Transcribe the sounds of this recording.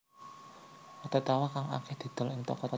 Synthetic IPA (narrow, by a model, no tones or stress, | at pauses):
kɔt̪et̪awakaŋa̰kɛhd̪̥i̤d̪̥ə̤lɪŋt̪ɔ̰kɔt̪a